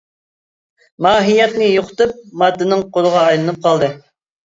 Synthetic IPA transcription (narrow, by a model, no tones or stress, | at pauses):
mɑːɦijɛt̪nɪjoqʰʊ̥t̪ɨp̚mɑd̪ːɨnɨŋqʰoɾˠʊʁɑːjlˠɨnɨp̚qʰɑlˠd̪ɨ